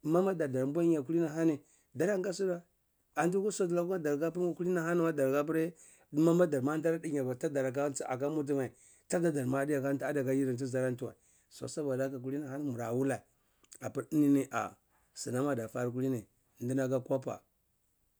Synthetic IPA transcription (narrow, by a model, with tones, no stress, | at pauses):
ma˦ma˦da˨da˨ɾmbʷa˦ɲa˨k̬u˦li˦na˨ɦa˦ni˨ | da˨ɾa˦ŋɡa˦su˦da˦ | a˨ndu˦ku˦so˦dla˦kma˦da˨ɾɡa˦pi˦ɾa˦ku˦i˦na˦ha˦ni˦ma˦da˨ɾka˦pi˦ɾe˦ | ma˦ma˦da˨ɾma˦n˦da˦ɾa˦di˦ɲa˨ba˨ta˦da˨ɾa˨ka˦a̰˨ka˦mu˦t̬i˦ma˨i˨ | ta˦da˦da˨ɾma˦di˦ja˨ka˦ta˦da˨ɡa˦ji˦ɾi˨nt̬i˦za˨ɾa˦n˦tu˦wa̰˨ | so̰˨sa˦ba˨da˦ka˨k̬u˦li˦na˨ha˦ni˦mu˨ɾa˨wu˦la˨ | a˨pi˦ɾi˦ni˦ni˦ʔa̰˨ | si˨na˦ma˦da˨fa˦ɾk̬u˦li˦ne˨ | ndi˦na˦ɡa˦kʷa˦pa̰˨